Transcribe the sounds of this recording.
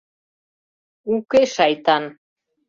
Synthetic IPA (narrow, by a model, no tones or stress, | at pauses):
ukeʃɑjt̪ɑn